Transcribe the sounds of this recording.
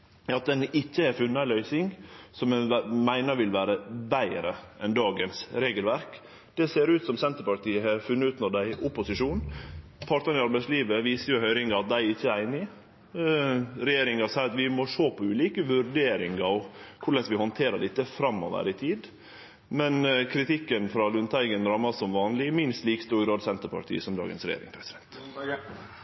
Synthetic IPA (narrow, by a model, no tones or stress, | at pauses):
ɑt̪̚d̪ɛnɪçːəɛɾfʉnːəɑɪlœʏsɪŋsɔmmæɪnəɾʋɪlʋæːɾəbæɪɾəʔɛnd̪ɑːɡənsɾeːɡəlʋæɾk | d̪̥ɛseːɾʉːt̪sɔmsɛnt̪əɾpɑɾʈ̪iːəɛɾfʉnːɑʉːt̪nɔɖæɪʔʊpʊsɪʂuːnpʰɑʈt̪ɑnɪɑɾbæɪsliːʋəʋiːsəɾjʊhœʏɾɪŋɡɑɑt̪̚d̪æɪɪçːəæɾæɪnɪ | ɾɛjeːɾɪŋɑsæɑt̪ʋɪmɔʂoːpʰɔʉːliːkəʋʉɾɖeːɾɪŋɑɔkʰʊɭɛsʋɪhɔnt̪ʰeːɾəɖ̪ɪt̪ːəfɾɑmːɔ̰ʋə̰ɾɪt̪ʰiːd̪ | mɛnkʰɾɪt̪ɪkːənfɾɑlʉnt̪ʰæɪɡənɾɑmːɑsɔmʋɑːnlɪmɪnst̪liːkst̪uːɾɡɾɑːd̪sɛnt̪əpʰɑ̰ʈ̪ʰḭːəsɔmd̪ɑ̰ːɡə̰nsɾɛ̰jḛːɾɪ̰ŋpʰɾɛsɪd̪ɛnt̪